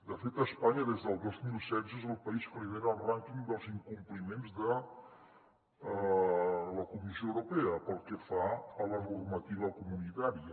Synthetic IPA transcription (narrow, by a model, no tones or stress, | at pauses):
d̪əfet̪əːspaɲəðezðəlˠd̪ozmilˠsɛdzezəlˠpɐispəriðeɾaːlˠraŋkiŋd̪əlˠziŋkumplimenzðə | ləkumisioəwɾupeəpəlˠkəfaələnurmət̪iβ̞əkumunit̪aɾiə